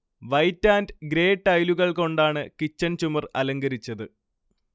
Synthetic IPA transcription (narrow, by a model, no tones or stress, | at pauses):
ʋɐjtːaːndɡɾe̞ːʈːɐjluɣɐɭko̞ɳɖaːɳɨkit͡ɕːɐnt͡ɕumɐrɐlɐŋɡɐɾit͡ɕːɐðɨ